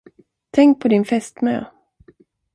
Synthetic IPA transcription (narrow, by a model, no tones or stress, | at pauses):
t̪ʰɛŋk̚pʰɔd̪ɪnfɛst̪mø̰ː